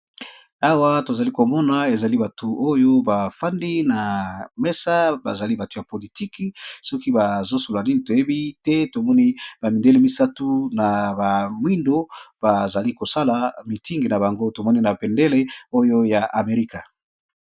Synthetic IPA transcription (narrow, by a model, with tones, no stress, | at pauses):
a˦wa˦to˨za˨li˦ko˨mɔ˦na˨e˨za˨li˦ba˨tʰu˨ʔo˦jo˦ba˨fa˦ndi˦na˨mɛ˦sa˦ba̰˨za˨li˦ba˨to˨ja˨po˨li˨ti˦ki˨sɔ˦ki˦ba˨zo˦so˨a˨ni˦ni˨to˨je˦bi˦tɛ˦to˨mɔ˦ni˦ba˨mi˨nde˦le˦mi˦sa˦tu˦na˨ba˨mwi˦ndo˦b̥a˨za˨li˦ko˨sa˦la˨mi˨ti˦ŋɡi˨na˨ba˨ŋɡo˦to˨mɔ˦ni˦na˨pe˨nde˦le˦o˦jo˦ja˨ʔa˨me˨ʁi˦ka˨